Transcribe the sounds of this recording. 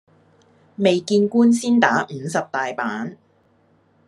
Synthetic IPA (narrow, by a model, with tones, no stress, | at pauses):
me˨jkiː˧nkuː˥nsiː˥nt̪aː˨˥m̩˨˩˦sɐ˨p̚t̪aː˨jpaː˨˥n